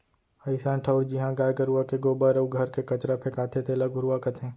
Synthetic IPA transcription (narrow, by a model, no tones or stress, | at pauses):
ɐɪsãːʈʰəʊɽd͡ʒɪɦãɡaːjkɐɾuakeɡoːbaɾəɡʱɐɾkekɐt͡ʃɾapʰekaːt̪ʰet̪elaɡʱʊɾuakɐt̪ɦẽː